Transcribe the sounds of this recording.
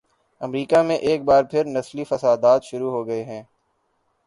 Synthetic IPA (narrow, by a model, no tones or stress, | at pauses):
ɐmɾiːkamẽʔeːk̚baːɾpʰɪɾnɐslifɐsaːd̪aːt̪ʃʊɾuɦoːɡɐeɦɛ̃ː